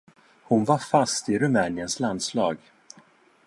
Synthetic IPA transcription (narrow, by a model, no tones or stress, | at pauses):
hʊnvaɾfast̪ɪɾɵmɛːnɪənsland̪slɑːɡ